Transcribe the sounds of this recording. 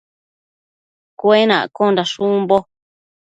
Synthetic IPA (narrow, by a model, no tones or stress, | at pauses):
kʷenã̰kondaʃumbo